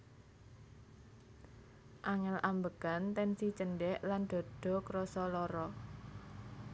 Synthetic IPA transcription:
ʔaŋɛlʔambəɡ̥a̤nt̪ɛnsit͡ʃənɖɛʔland̪̥ɔ̤d̪̥ɔ̤kɾɔsɔlɔɾɔ

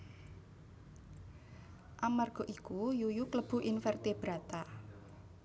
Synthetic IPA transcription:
ʔamarɡ̥ɔ̤ʔikujujukləb̥ṳʔinfərt̪eb̥ɾat̪a

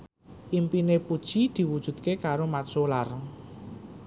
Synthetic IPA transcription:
ʔimpinepud̥ʒ̥id̪̥i̤wud̥ʒ̥ṳd̪̚kekaɾomat̪solar

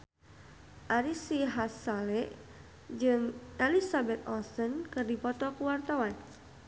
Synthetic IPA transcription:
ʔaɾisiɦasalɛʔ | d͡ʒɨŋʔelisabɛt̪̚ɔsənkɨrdipɔt̪ɔkuwart̪awan

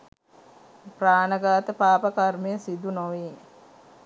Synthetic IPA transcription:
praːnəɡaːt̪əpaːpəkarmijəsid̪unoʋi

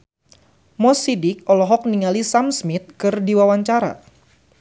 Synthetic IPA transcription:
mɔsidɪk̚ɔlɔɦɔk̚niŋalisamsmit̪̚kɨrdiwawaɲt͡ʃaɾa̰

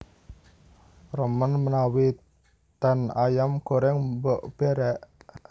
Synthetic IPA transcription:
rəmənmənawi | t̪anajamkoɾɛŋbɔʔb̥eɾɛʔ

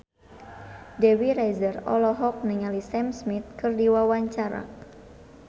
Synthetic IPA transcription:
dɛwiɾajzərɔ̰lɔɦɔk̚niŋalisɛmsmit̪̚kɨrdiwawaɲt͡ʃaɾa̰

